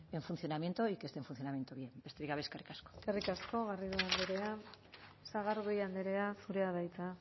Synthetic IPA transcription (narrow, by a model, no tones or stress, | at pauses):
e̞ɱfunθjonamje̞nt̪oikest̪eɱfun̟θjonamje̞nt̪oβjebest̪eɾiɣaβeskerikasko̥kerikasko̞ɣariðuand̪eɾe̞a | saɣaɾɣujand̪eɾe̞asuɾe̞aβ̞ajt͡sa